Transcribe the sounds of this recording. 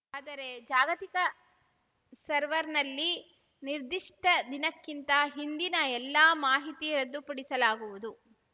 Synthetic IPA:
aːd̪ɐɾe̞d͡ʒaːɡɐt̪ikɐ | sɐɾʋɐɾnɐlːi | niɾd̪iʂʈʰɐd̪inɐkːint̪ɐɦind̪inɐɛlːaːmaːɦit̪iɾɐd̪ːupɐɽisɐlaːɡuʋud̪u

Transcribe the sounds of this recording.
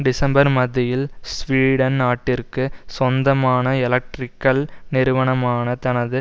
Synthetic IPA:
ɖɪsɐmbɐɾmɐðɪjɪlsʋiːɽɐnnaːʈːɪrkɯsɔnd̪ɐmaːnɐɪlɐk̚ʈrɪkːɐlnɪɾɯʋɐɳɐmaːnɐt̪ɐnɐðɯ

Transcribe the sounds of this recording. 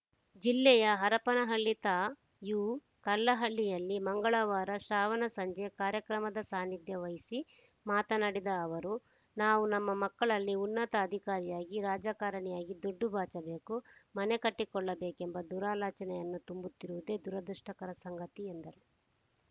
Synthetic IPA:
d͡ʒilːɛjɐɦɐɾɐpɐnɐɦɐɭːit̪aː | juː | kɐlːɐɦɐɭːijɐlːimɐŋɡɐɭɐʋaːɾɐʃɾaːʋɐnɐsɐɲd͡ʒekaːɾjɐkɾɐmɐd̪ɐsaːnid̪ʱjɐʋɐjisi | maːt̪ɐnɐɽid̪ɐːʋɐɾu | naːʋunɐmːɐmɐkːɐɭɐlːiunːɐt̪ɐɐd̪ʱikaːɾijaːɡiɾaːd͡ʒaːkaːɾɐɳɛjaːɡid̪oɖːubʱaːt͡ʃɐbe̞ːkumɐnekɐʈːikɔɭːɐbe̞ːkembɐd̪uːɾaːlaːt͡ʃɐnɛjɐnːut̪umbut̪ːiɾuʋud̪e̞ːd̪uɾɐd̪ɐʂʈɐkɐɾɐsɐŋɡɐt̪iend̪ɐɾu

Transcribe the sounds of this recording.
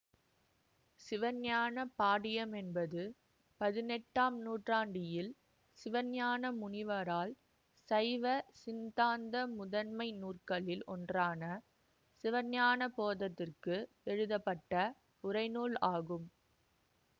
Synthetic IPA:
sɪʋɐnjaːnɐpaːɽɪjɐmɛnbɐðɯ | pɐðɪnɛʈːaːmnuːʈraːɳɖɪjɪl | sɪʋɐnjaːnɐmʊɳɪʋɐɾaːl | sɐɪʋɐsɪnd̪aːnd̪ɐmʊðɐnmɐɪnuːrkɐɭɪlɔ̰ndraːnɐ | sɪʋɐnjaːnɐpoːðɐt̪ːɪrkɯ | ɛɻɯðɐpːɐʈːɐ | ʊrɐɪnuːɭaːɣɯm

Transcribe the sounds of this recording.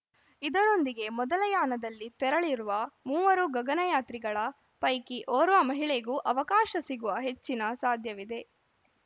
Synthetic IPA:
id̪ɐɾo̞nd̪iɡe̞mɔd̪ɐlɐjaːnɐd̪ɐlːit̪ɛɾɐɭiɾuʋɐmuːʋɐɾuɡɐɡɐnɐjaːt̪ɾiɡɐɭɐ | pɐjkiʔoːɾʋɐmɐɦiɭeɡuːʔɐʋɐkaːʃɐsiɡuʋɐɦe̞t͡ʃːinɐsaːd̪ʱjɐʋid̪e̞

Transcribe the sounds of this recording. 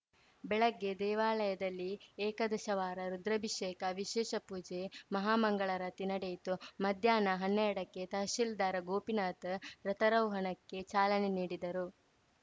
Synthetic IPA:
bɛɭɐɡːe̞d̪ɛːʋaːlɐjɐd̪ɐlːieːkɐd̪ɐʃɐʋaːɾɐɾud̪ɾɐbʱiʃeːkɐʋiʃɛːʃɐpuːd͡ʒemɐɦaːmɐŋɡɐɭɐɾɐt̪inɐɽejit̪umɐd̪ʱjaːnɐɦɐnːɛjɐɽɐkːe̞t̪ɐɦʃild̪aːɾɐɡoːpinaːt̪ɾɐt̪ɐɾɐwɦɐnɐkːe̞t͡ʃaːlɐneniːɽid̪ɐɾu

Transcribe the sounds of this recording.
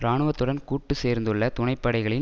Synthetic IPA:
ɾaːɳɯʋɐt̪ːɯɽɐnkuːʈːɯseːɾnd̪ɯɭːɐt̪ʊɳɐɪpːɐɽɐɪɣɐɭɪ

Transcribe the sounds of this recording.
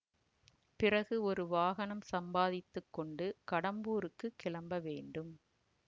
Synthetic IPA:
pɪrɐɣɯɔɾɯʋaːɣɐnɐmsɐmbaːðɪt̪ːɯkːɔɳɖɯkɐɽɐmbuːɾɯkːɯkːɪɭɐmbɐʋeːɳɖɯm

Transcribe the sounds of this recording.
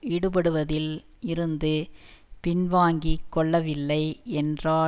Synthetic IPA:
iːɽɯp̬ɐɽɯʋɐðɪl | ɪɾɯnd̪ɯpɪnʋaːŋɡikːɔɭːɐʋɪlːɐɪɛndraː

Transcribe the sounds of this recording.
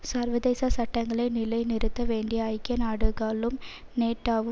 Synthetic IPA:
sɐɾʋɐðeːsɐsɐʈːɐŋɡɐɭɐɪnɪlɐɪnɪɾɯt̪ːɐʋeːɳɖɪjɐɐɪkːɐnaːɽɯɣaːlɯm | neːʈːaːʋɯ

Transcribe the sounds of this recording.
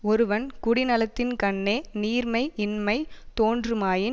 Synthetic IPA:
ɔɾɯʋɐnkʊɽɪnɐlɐt̪ːɪnkɐɳːeːniːɾmɐɪɪnmɐɪt̪oːndrɯmaːjɪ

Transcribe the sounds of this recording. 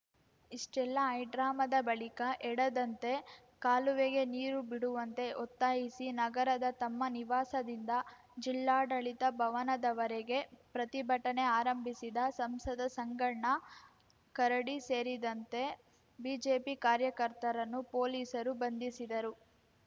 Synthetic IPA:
iʂʈɛlːɐɐjɖɾaːmɐd̪ɐbɐɭikɐʔɛɽɐd̪ɐnt̪e̞ | kaːluʋeɡe̞niːɾubiɽuʋɐnt̪e̞ʔɔt̪ːaːɦisinɐɡɐɾɐd̪ɐt̪ɐmːɐniʋaːsɐd̪ind̪ɐ | d͡ʒilːaːɖɐɭit̪ɐbʱɐʋɐnɐd̪ɐʋɐɾeɡepɾɐt̪ibʱɐʈɐne̞aːɾɐmbʱisid̪ɐsɐmsɐd̪ɐsɐŋɡɐɳɐ | kɐɾɐɽise̞ːɾid̪ɐnt̪e̞ | biːd͡ʒe̞ːpikaːɾjɐkɐɾt̪ɐɾɐnːupo̞ːliːsɐɾubɐnd̪isid̪ɐɾu

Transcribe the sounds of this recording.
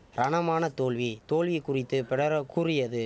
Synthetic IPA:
ɾɐɳɐmaːnɐt̪oːɭʋit̪oːlʋikːʊrɪt̪ːɯpɛɽɐɾɐkːʊrɪjɐðɯ

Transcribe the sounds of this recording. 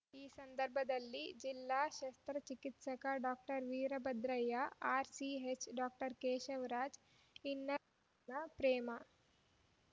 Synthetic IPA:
iːsɐnd̪ɐɾbʱɐd̪ɐlːid͡ʒilːaːʃɐst̪ɾɐt͡ʃikit̪sɐkɐɖaːk̚ʈɐɾʋiːɾɐbɐd̪ɾɐjɐaːɾsiet͡ʃɖaːk̚ʈɐɾkeːʃɐʋɾaːd͡ʒ | inːɐ | nɐpɾeːmɐ

